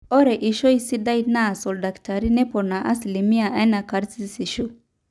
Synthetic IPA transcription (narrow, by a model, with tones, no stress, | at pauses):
ɔ˦ɾɛ˨ʔi˨ʃɔ˦jsi˦da˦jna˦˨sɔ˨lda˨kta˨ɾi˦nɛ˦pɔ˨ɾna˨ʔa̰˦sli˨mi˦ja˨ʔa˦na˨ka˨ɾsi˦si˨ʃu˦